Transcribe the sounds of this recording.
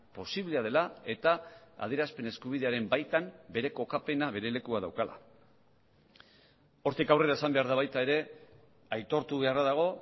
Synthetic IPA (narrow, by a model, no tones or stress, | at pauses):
po̞siβleað̞e̞lae̞t̪aa̰ð̞eɾaspe̞ne̞skuβ̞iðe̞aɾe̞mbajt̪ambe̞ɾe̞ko̞kape̞naβe̞ɾe̞le̞kuað̞a̰wkala̰ | o̞ɾt̪ikawre̞ɾaesambe̞aɾðaβajt̪ae̞ɾe̞ | ajt̪o̞ɾt̪uβe̞araðaɣ̞o̞